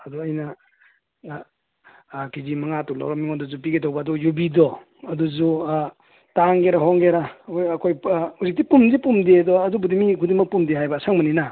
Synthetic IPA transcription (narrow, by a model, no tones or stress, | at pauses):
ɐdɔɐjnɐ | kizimɐŋatula̰wɾɔmiŋɔdɔzupiɡetʰawbaːdɔjubidɔ | ɐduzu | taŋɡeɾaɦoŋɡeɾajɐkʰojhuzik̚tipumzipumdedɔɐdubudimikʰudiŋmɐk̚pumdeɦajbasaŋmanina